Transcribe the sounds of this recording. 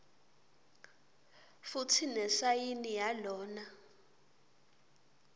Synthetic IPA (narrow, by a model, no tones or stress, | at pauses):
futʰinɛsajinijalɔːna